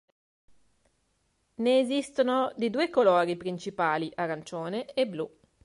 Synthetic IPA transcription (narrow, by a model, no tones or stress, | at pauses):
neːzist̪onod̪id̪uːekolɔːɾipɾint͡ʃipaːliʔarant͡ʃoːneeblu